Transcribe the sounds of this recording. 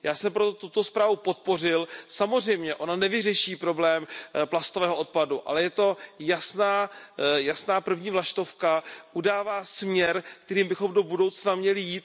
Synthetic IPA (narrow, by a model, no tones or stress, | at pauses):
jaːsɛmpɾot̪ot̪ut̪o̞spɾaːvupo̞t̪̚po̞r̝ɪlsamor̝ɛjmɲɛʔo̞nanɛvɪrɛʃiːpɾo̞blɛːmplast̪ovɛːɦoʔo̞t̪̚paduʔa̰lɛjɛt̪o̞jasnaːjasnaːpr̩vɲiːvlaʃt̪o̞fkaʔudaːvaːsmɲɛɾkt̪ɛɾiːmbɪxomdo̞budo̞wt͡snamɲɛlɪjiːt̪̚